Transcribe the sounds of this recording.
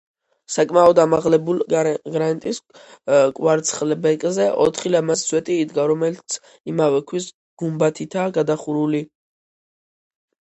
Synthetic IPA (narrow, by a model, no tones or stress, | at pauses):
sakʼmaɔd̪amaʁlɛbulɡɾant̪ʼis | kʼwaɾt̪sʰχlɛbɛkʼzɛʔɔ̰t̪ʰχilamasswɛt̪ʼiːd̪ɡaɾɔmɛlt̪sʰ | imavɛkʰwis | ɡ̥umbat̪ʰit̪ʰaɡad̪aχuɾuli